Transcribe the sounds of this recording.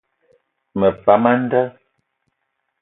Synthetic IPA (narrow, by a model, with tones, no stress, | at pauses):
mə˨pa˨ma˦n̩˦də˦